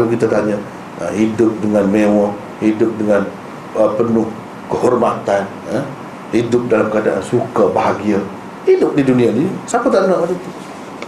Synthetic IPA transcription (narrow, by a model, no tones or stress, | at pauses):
lukit̪at̪aɲə | ə̰hidʊp̚dəŋanmewɔ | hidʊp̚dəŋan | əpənʊh | kəhɔrmat̪an | ə | hidʊp̚dalamkəadaa̰nsukabaɦaɡia | hidʊp̚didunĩadisapat̪aʔənaʔadət̪u